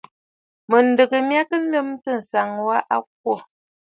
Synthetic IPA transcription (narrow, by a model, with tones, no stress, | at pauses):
mə˨n̩˨də˨ɡə˨mja˦kə˦n̩˦ə˦mtə˦˨n̩˨sa˨ŋwa˦ʔa˦k̚wɔ˦˨